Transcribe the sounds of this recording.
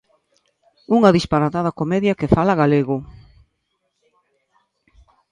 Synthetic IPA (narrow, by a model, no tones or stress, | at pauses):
uŋɐðispaɾat̪að̞ɐkomɛðjakefalaɣaleɣʊ